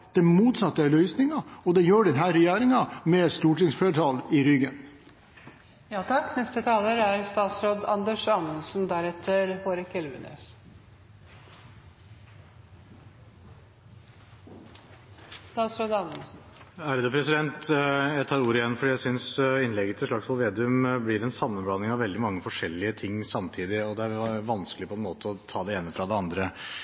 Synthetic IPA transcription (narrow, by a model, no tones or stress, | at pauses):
d̪̥ɛmuːt̪sɑt̪ːəælœʏsnɪŋɑɔd̪ɛjøːɖɛnɦæːɾɛjæːɾɪŋɑmɛst̪uːʈɪŋsfleːʈʰɑːlɪɾʏɡən | jɑːt̪ʰɑkːnɛst̪ət̪ʰɑːləɾæɾst̪ɑːt̪sɾoːd̪ɑnd̪əʂɑnəlsnd̪æɾɛt̪ʰəɾhoːɾəkʰɛlʋə̰nḛːs | st̪ɑːt̪sɾoːd̪ɑ | æɾd̪əpʰɾɛsɪd̪ɛnt̪jæɪt̪ʰɑːɾuːɾəɪjɛnːfɔɖiːjæɪsʏnsɪnlɛɡət̪ʰɪlʂɭɑksʋɑlʋeːd̪ɪʉmblɪɾɛnsɑmːənblɑnɪŋɑʋɛld̪ɪmɑŋːəfɔʂɛlːɪət̪ʰɪŋːsɑmt̪ʰiːd̪ɪɔd̪ɛæɾʋɑnskəlɪpʰɔɛnmoːt̪əɔt̪ʰɑːd̪ɛeːnːəfɾɑd̪ɛɑnd̪ɾə